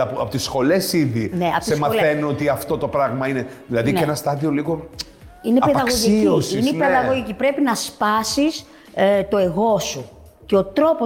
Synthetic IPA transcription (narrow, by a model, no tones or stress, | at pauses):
ɐpoɐpot̪isxo̞le̞siðineɐosesmɐθenuo̞t̪iɐft̪o̞t̪opɾɐɣmɐineðilɐðieenɐst̪ɐðio̞liɣo̞ | inepeðɐɣosʝiiiosinenpeðɐɣo̞ʝicipɾe̞pinɐspɐsis | t̪o̞e̞ɣo̞su | ceo̞t̪ɾo̞po